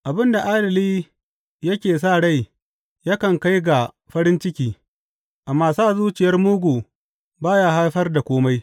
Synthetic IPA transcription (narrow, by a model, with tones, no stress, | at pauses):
ʔa˨bɪ˦nda˨ʔaː˦dɪ˨liː˦ | jɐ˦kʲeː˨s̬aː˦˨ɽa˦˨j | ja˦kɐ˨ŋka˦jɡa˨ | ɸɐ˦ɾɪ˦nt͡ʃɪ˦kʲiː˦ | ʔa˨mːaː˦˨saː˦˨zuː˦t͡ʃɪ˨jɐ˦rmʊ˦ɡʷuː˨ | baː˦jaː˦ha˦jɸɐ˦rda˨kʷoː˦ma˦j